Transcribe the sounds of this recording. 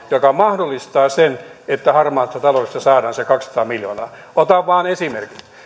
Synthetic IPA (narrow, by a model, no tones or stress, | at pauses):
jokɑmɑhdolːist̪ɑːsenet̪ːæhɑrmɑːnist̪ːɑt̪ɑloest̪ɑsɑːdɑːnsekɑksɑ̥t̪ɑːmiljo̰nɑː | ot̪ɑʋʋɑːnesimerkit̪